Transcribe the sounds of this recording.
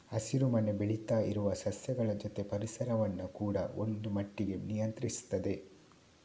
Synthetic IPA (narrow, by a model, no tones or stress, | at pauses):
ɐsiɾumɐne̞biɭit̪aːiɾuʋɐsɐsjɐɡɐɭɐd͡ʒot̪e̞pɐɾisɐɾɐʋɐnːukuːɽɐ̰o̞̰nd̪umɐʈːiɡe̞nijɐnt̪ɾisu̥t̪ːɐd̪e̞